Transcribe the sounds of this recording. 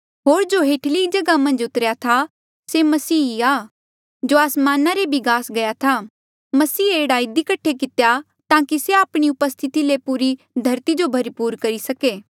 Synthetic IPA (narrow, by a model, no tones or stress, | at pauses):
ɦoːɾd͡ʒoɦeːʈʰlid͡ʒɐɡamɐ̃nd͡ʒʊt̪əɾjat̪ʰa | semɐsiːiaː | d͡ʒoaːsmaːnaɾebʱiɡaːsɡɐjat̪ʰa | mɐsiːeːɽaɪd̪ikɐʈʰːek̬ɪt̪eja | t̪ãːkiseaːpɽ̃iʊpəst̪ʰɪt̪ilepuːɾi | d̪ʱɐɾt̪id͡ʒobʱɐɾipuːɾkɐɾisɐkeː